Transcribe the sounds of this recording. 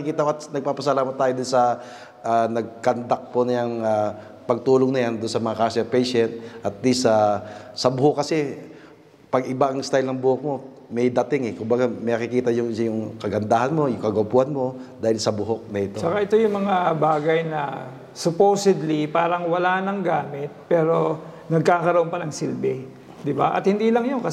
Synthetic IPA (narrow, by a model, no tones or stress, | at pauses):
ɐikiːt̪ɐʔoɐt̪nɐɡ̚paːpɐsɐlaːmɐt̪ːaːjod̪ʊnsɐ | ʔanɐɡ̚kɐnd̪ɐk̚ponɐjaŋa | pɐɡ̚t̪uːloŋnɐjand̪ʊnsɐmɐŋakaːsɐpɛjʃɛnt̪̚ʔɐt̪̚lisasɐbʊɦokːɐsɛ | pɐɡɪbaʔɐŋst̪ajlnɐŋbʊhok̚mo̞ | mɛjd̪ɐt̪ɪŋɛkʊmbɐɡamɛnɐkɪkiːt̪ɐjʊŋjʊŋkɐɡɐnd̪aːhɐnmo̞jʊŋkɐɡopuʔɐnmo̞ | d̪aːhɪlsɐbʊɦok̚nɐʔɪt̪ot͡ʃɐkaʔɛt̪o̞jʊŋmɐŋabaːɡɐjnɐ | sʊpowsɛd̪lipaːɾɐŋwɐlaːʔnɐŋɡaːmɪt̪̚pɛːɾo̞ | nɐɡ̚kaːkɐɾɐʔonpɐnɐŋsilbɛ | d̪ɪbaʔɐ̰t̪̚hɪnd̪iːlɐŋjonkɐ